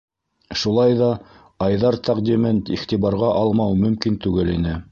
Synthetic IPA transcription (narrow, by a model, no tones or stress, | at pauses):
ʃulˠɑjðɑ | ɑjðɑɾt̪ʰæqd̪imɘnt̪iχt̪iβɑɾʁɑʔɑlˠmɑwmɵ̆mkint̪ʉɡɘlinɘ